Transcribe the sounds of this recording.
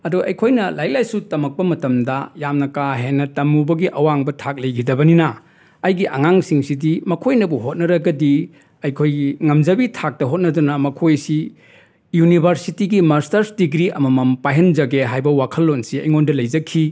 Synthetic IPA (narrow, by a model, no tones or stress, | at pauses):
ɐduʔɐ̰jkʰojnɐlajlajsutɐmɐk̚pɐmɐtɐmdɐjamnɐkaɦenːɐtɐmubɐɡiʔɐwaŋbɐtʰak̚lɐjɡidɐbɐninɐː | jɡiʔɐŋaŋsiŋsidimɐkʰojnɐbuɦot̚nɐɾɐɡɐdi | ɐjkʰojɡiŋɐmd͡ʒɐbitʰak̚tɐɦot̚nɐdunɐmɐkʰojsi | junibʱɐɾsitiɡimaɾstɐɾsdiɡɾiɐmɐmɐmpajɦend͡ʒɐɡeɦajbɐwakʰɐlːonsiɐjŋondɐlɐjd͡ʒɐkʰi